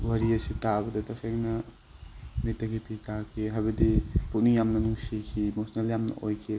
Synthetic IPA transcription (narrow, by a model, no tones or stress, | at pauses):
wɐɾiɐsitabɐdɐtɐsaŋnɐ | mitːɐɡipitʰakʰeɦajbɐdiput̚nijamnɐnuŋsikʰimosneljamnɐ̰ʔojkʰi